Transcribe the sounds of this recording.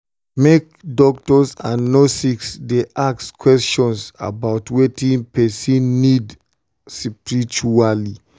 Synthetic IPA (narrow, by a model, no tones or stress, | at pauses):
mek̚dɔktɔsãnːɔsiksdeʔakskwɛst͡ʃɔ̃nsa̰baʊtwetĩnpɛsĩnːid | sipɹit͡ʃuali